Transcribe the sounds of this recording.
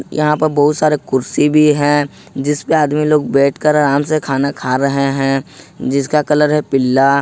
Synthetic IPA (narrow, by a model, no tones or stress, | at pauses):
jɐ̰ɦãpəɾbɐɦʊt̪saːɾekʊɾsibʱiɦɛ̃ | d͡ʒɪspeaːd̪miloːɡ̚bɛːʈʰkəɾaːmsekʰaːnakʰaːɾɐɦeɦɛ̃ | d͡ʒɪskakɐləɾɦɛpɪlːa